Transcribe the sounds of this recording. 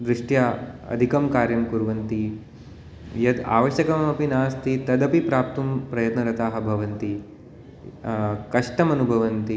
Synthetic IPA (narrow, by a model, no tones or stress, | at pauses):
d̪ɾɪʂʈjaɐ̰d̪ʱikɐmkaːɾjɐmkuɾʋɐnt̪i | jɐd̪a̰ːʋɐʃjɐkɐmɐpinaːst̪it̪ɐd̪ɐpipɾaːp̚t̪umpɾɐjɐt̪nɐɾɐt̪aːɦɐ̆bʱɐʋɐnt̪i | kɐʂʈɐmɐnubʱɐʋɐnt̪i